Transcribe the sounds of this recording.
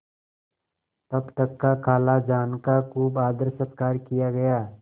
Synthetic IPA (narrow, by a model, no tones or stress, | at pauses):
t̪ɐbt̪əkːakʰaːlad͡ʒaːnkakuːbaːd̪əɾsət̪kaːɾkijaɡɐjaː